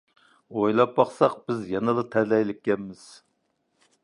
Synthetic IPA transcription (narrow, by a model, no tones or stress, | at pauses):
ojlˠɑp̚bɑχsɑq̚b̥ɪzjɛnɨlˠɨt̪ʰɛlɛjlɪkʲːɛnmɪz̥